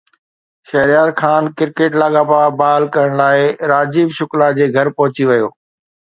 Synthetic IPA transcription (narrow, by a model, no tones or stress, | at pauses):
ʃɐɦɾijaːd̪xʰaːnkɪɾkeːʈlaːɠaːpaːbaːlkɐɾəɽ̃laːɪɾaːd͡ʑiːbʃʊklad͡ʑeːɡʱɐɾpɐɦʊt͡ɕiʋɐjoː